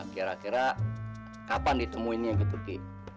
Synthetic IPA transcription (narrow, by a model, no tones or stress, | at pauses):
kiɾakiɾa | kapandit̪əmuinaɡit̪uki